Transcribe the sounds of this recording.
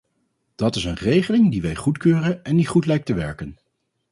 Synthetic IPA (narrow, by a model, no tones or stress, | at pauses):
d̥ɑtɪsənrejχəlɪŋdiʋɛjχutkøːrənɛndiχutlɛjk̚təʋɛɹkən